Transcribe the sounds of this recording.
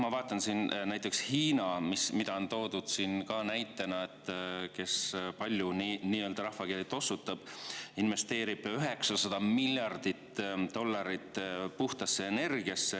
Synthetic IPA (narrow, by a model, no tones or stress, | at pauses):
mɑvɑːt̪ˑːɑnsiːnnæjt̪ːˑe̞kshiːnɑmismid̪̥ɑo̞nt̪o̞ːd̪̥ud̪̥siːnkɑːnæjt̪ːˑe̞nɑe̞t̪ːˑke̞spɑlʲjuniniːø̞ːld̪ɑɾɑhfɑkelit̪ːˑo̞sːut̪ːˑɑb̥inve̞st̪e̞ːɾib̥yɦe̞ksɑsɑd̪̥ɑmilʲːjɑrd̪̥it̪t̪o̞lːɑɾit̪ːˑpuht̪ɑsːe̞ene̞rɡ̥iɑsːe